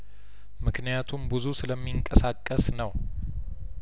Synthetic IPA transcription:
mɨknijat̪ʰumbɨzusɨləmːiŋkʼəsakʼːəsnəw

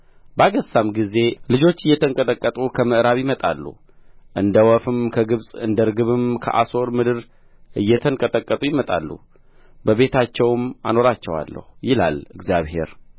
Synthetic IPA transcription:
bəaɡəsamɡize̞lɨd͡ʒo̞t͡ʃːɨjːɛt̪ʰəŋkʼət̪ʼəkʼːət̪ʼukʰəmɨʔɾaβjɪmət̪ʼa̰lːṵ | ʔɨnd̪əwɔfɨmkʰəɡɨβsʼɨ̰nd̪əɾɡɨβɨmkʰə̰ʔa̰so̞ɾmɨd̪ɨɾ | ʔɨjːɛt̪ʰəŋkʼət̪ʼəkʼːət̪ʼujɪmət̪ʼa̰lːṵ | bəβe̞t̪ʰat͡ʃːɛwma̰no̞ɾat͡ʃːɛwa̰lːə̰hujɪla̰lɨɡzijaβhe̞̰ɾ

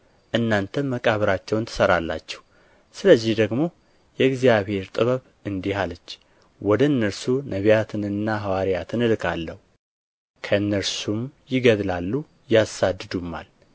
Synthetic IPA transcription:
ʔɨnːant̪ʰənməkʼaβɨɾat͡ʃːɛwnt̪ʰə̥səɾalːa̰t͡ʃːɛ̥hu | sɨləzːɪhd̪əɡmo̞ | jɛɡzjaβhe̞ɾt̪ʼɨβəβ | ɨnd̪ihalət͡ʃː | wɔd̪əɨnːəɾsunəβijat̪ʰɨnɨnːaɦawaɾijat̪ʰɨnɨlɨkʰalːəhu | kʰəɨnːəɾsumjɪɡəd̪lalːu | jasad̪ɨd̪umːa̰l

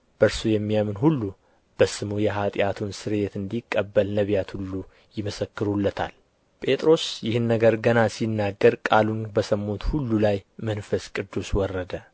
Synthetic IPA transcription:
b̥əɾsujɛmːijamɨnɦulːu | b̥əsɨmujɛɦat̪ʼjat̪ʰunsɨɾet̪ɨnd̪ikʼːəbːəlnəβjat̪hulːu | jɪməsəkːɨɾulːət̪ʰa̰l | pʼe̞t̪ʼɾo̞sjɪhɨnːəɡəɾɡənasinːaɡːəɾkʼalunbəsəmːot̪hulːulajmənfəskʼɨd̪ːuswɔrːəd̪ə

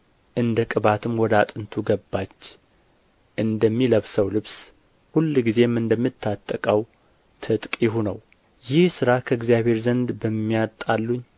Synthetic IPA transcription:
ʔɨnd̪əkʼɨβat̪ʰɨmwɔd̪at̪ʼɨnt̪ʰuɡəbːat͡ʃː | ʔɨnd̪əmːiləβsəwlɨβs | hulːɡize̞mɨnd̪əmːɨt̪ʰːat̪ʼːəkʼəw | t̪ʰɨt̪ʼkʼjɪhunə̰w | jɪhsɨɾakʰəɨɡzijaβhe̞ɾzənd̪bəmːijat̪ʼalːuɲː

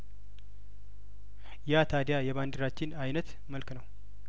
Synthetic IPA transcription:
jat̪ʰad̪jajɛβand̪ɨɾat͡ʃːɪnajnət̪ | məlknəw

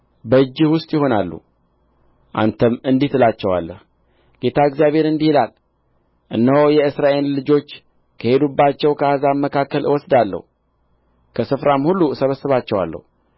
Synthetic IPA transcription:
bəɨd͡ʒːɪhwʊst̪ʼjɪho̞nalːṵ | ʔa̰nt̪ʰəmɨnd̪iht̪ɨlat͡ʃːɛwa̰lːəh | ɡ̥e̞t̪ʰaəɡzijaβhe̞ɾɨnd̪ihilal | ʔɨnːəhojɛɨsɾaʔe̞llɨd͡ʒo̞t͡ʃː | kʰəhe̞d̪ubːat͡ʃːɛwkʰəazamːəkʰakːəlɨwɔsd̪alːə̰hu | kʰəsɨfɾamhulːusəβəsɨβat͡ʃːɛwa̰lːə̰hu

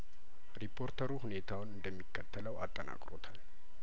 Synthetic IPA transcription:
ɾipʰːo̞ɾt̪ʰəɾuhune̞t̪ʰawʊnɨnd̪əmːikːət̪ʰːələwat̪ʼːəna̰kʼɾo̞t̪ʰal

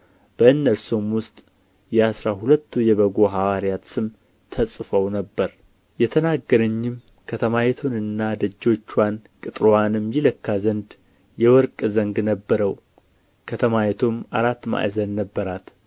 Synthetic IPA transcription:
b̥əɨnːəɾso̞mwʊst̪ʼ | jɛasɾahulət̪ːujɛβəɡo̞ɦawaɾijat̪sɨm | t̪ʰəsʼfəwnəbːəɾ | jɛt̪ʰənaɡːəɾəɲːɪm | kʰət̪ʰəmajɛt̪ʰonɨnːad̪əd͡ʒːo̞t͡ʃːwankʼɨt̪ʼɾanɨmjɪləkːazənd̪ | jɛwɔɾkʼzəŋɡnəbːəɾəw | kʰət̪ʰəmajɛt̪ʰomaɾat̪ːma̰ʔzənnəbːəɾat̪

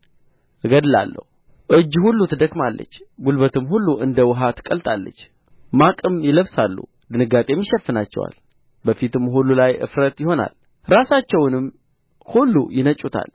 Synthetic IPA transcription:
ʔɨɡəd̪ɨla̰lːə̰hu | ʔɨd͡ʒːhulːut̪ʰɨd̪əkʼmalːə̰t͡ʃːɡulbət̪ʰɨmhulːuʔɨnd̪əwɨɦat̪kʼəlt̪ʼalːə̰t͡ʃː | makʼɨmjɪləβsalːṵ | d̪ɨnɨɡat̪ʼe̞jmːiʃɛfːɨnat͡ʃːɛ̰wa̰l | bəfit̪ɨmɦulːulajʔɨ̰fɾət̪jɪho̞na̰l | ɾasat͡ʃːɛwnɨm | hulːujɪnət͡ʃʼut̪ʰa̰l

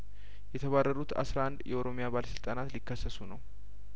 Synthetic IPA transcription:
jɛt̪ʰəβarːəɾut̪a̰sɾaʔand̪jɛʔoɾo̞mijabaləsɨlt̪ʼanat̪likːəsːəsunəw

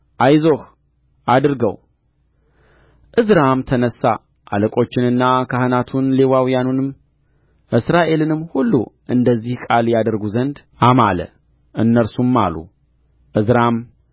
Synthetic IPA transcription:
ʔajzoh | ʔad̪ɨɾɡəw | ʔɨzɾamt̪ʰənəsːa | ʔa̰ləkʼo̞t͡ʃːɪnɨnːakʰahɨnat̪ʰunle̞wawijanunɨm | ʔɨsɾaʔe̞lɨnɨmːhulːṵʔɨnd̪əzːihkʼaljad̪əɾɡuzənd̪ | ʔamalə̰ | ʔɨnːəɾsumːa̰lṵ | ʔɨzɾam

